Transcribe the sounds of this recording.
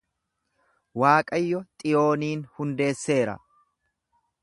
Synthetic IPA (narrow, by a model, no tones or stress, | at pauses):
waːkʼɐjːɔt̪ʼɪjo̞ːniːnhʊnd̪e̞ːsːe̞ːɾɐ̰